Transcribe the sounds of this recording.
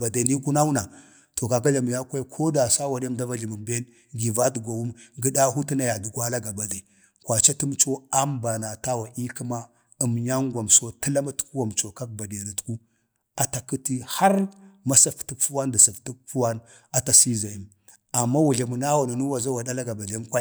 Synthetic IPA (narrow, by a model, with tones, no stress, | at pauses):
ba˨da˨ni˦ku˦na˦wu˦na˨ | to˨ka˨ɡa˦ɮa˨m˨ja˦kʷa˦kʰo˦da˨sa˦wa˨n˦e˦mda˦va˦ɮi˨mə˨mbe˦n | ɡi˨va˦tɡʷa˨wu˦mɡə˦da˦ɦu˦ti˦na˨ja˨du˨ɡʷa˦la˦ɡa˨ba˨da˨ | kʷa˨t͡ʃa˦tu˦m˦t͡ʃo˦a˦mba˨na˨ta˦wa˨i˦ki˦ma˦ | ə˨mja˦ŋɡʷa˨mso˦tə˦la˦ma˦tu̥˦ku˦wa˨mt͡ʃo˨ka˦k̚ba˨di˨a˨na˨tku˦ | a˨ta˨ki˦ti˦ha˦ɾma˦sa˦fti˦kfu˦wa˦nda˨sa˨fti˦k̚fu˦wa˦n | a˨ta˨si˦za˨ji˦m | a˨mːa˦wu˨ɮa˨mu˨na˦wu˨na˨nu˦wa˨za˦wa˨da˦la˦ɡa˨ba˨ɮa˨˦mkʷa˦